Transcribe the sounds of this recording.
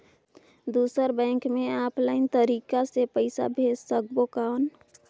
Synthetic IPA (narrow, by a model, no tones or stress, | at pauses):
d̪uːsəɾbɛ̃ːŋkmeaːpʰlaɪnt̪əɾiːkasepəɪsa̰bʱeːsːək̚bokaon